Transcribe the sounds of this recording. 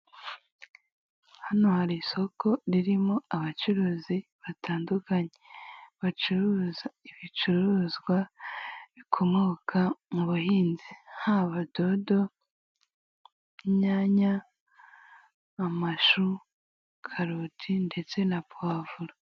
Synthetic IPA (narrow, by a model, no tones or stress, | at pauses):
hano̞haɾiso̞ko̞ɾiɾimoaβat͡ʃuɾuːziβatʰaːndukaɲeβat͡ʃuɾuzaiβit͡ʃuɾuːzɡwa | βikʰo̞moːkʰamuβuhiːnzihaβadodo̞ | ɲaɲa | maʃu | kʰaɾutʰinde̞t͡se̞nabwaːvuɾa